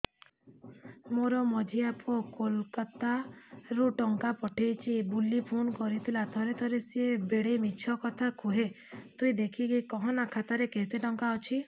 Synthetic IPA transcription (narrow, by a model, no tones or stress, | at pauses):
moɾɔmɔd͡ʒʱiapɔkolkat̪aɾuʈɔŋkapɔʈʰejt͡ʃʰibulːipʰunkɔɾit̪ʰilat̪ʰɔɾet̪ʰɔɾesiebeɽejmit͡ʃʰɔkɔt̪ʰakʰuɦe | t̪uĩd̪ekʰikikɔɦɔ̃nakʰat̪aɾekeɦit̪eʈɔŋkaɔt͡ʃʰi